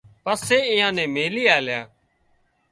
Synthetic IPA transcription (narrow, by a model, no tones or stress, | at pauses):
pəseːɪ̃jãːnẽːmeːliːaːljãː